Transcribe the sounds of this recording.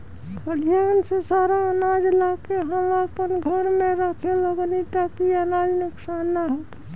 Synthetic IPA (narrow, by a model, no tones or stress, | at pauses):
pəɽijansesaːɾaənaːd͡ʒlakeɦəmapənɡʱəɾmẽɾəkʰeləɡnit̪akiaːnaːd͡ʒnɪksaːnːaɦot̪ː